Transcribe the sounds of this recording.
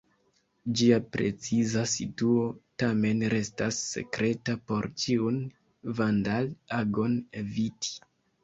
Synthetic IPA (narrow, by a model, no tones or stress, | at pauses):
d͡ʒiapɾe̞t͡sizasituo̞tame̞nɾe̞stasːe̞̰kɾe̞tapo̞ɾt͡ʃiun | vandalaɡo̞neviti̥